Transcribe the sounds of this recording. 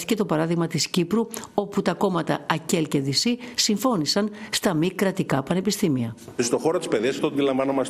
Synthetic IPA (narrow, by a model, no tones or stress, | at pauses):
t̪ice̞t̪o̞pɐɾɐðiɣmɐt̪iscipɾuo̞put̪ɐko̞mɐt̪ɐɐce̞lce̞ðisisiɱfo̞nisɐnst̪ɐmikɾɐt̪ikɐpɐne̞pist̪imiɐist̪o̞xo̞ɾot̪ispeðiɐsɐft̪oɐnd̪ilɐɱvɐnomɐs